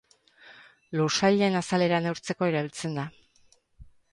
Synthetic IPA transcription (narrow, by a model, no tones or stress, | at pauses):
lusaʎenasale̞ɾanewɾt͡se̞ko̞eɾaβilt͡se̞nd̪a